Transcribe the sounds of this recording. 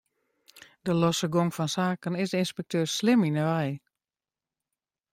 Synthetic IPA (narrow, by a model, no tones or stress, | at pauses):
dəlɔsəɡoŋfɔnsaːkənɪsdəinspɛk̚tʰøːrslɪminəʋɛj